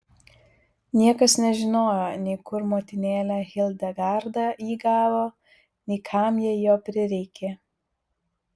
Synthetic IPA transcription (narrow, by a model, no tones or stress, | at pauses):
nʲiɛkɐsnʲɛʒʲɪnoːjoːnʲɛɪkʊɾmoːt̪ʲɪnʲeːlʲæːɣʲɪlˠʲd̪ʲɛɡɑɾd̪ɑːʔiːɡɑːʋoː | nʲɛɪkʰɑˑmjɛɛjoːpʲɾʲɪɾʲɛɪkʲeː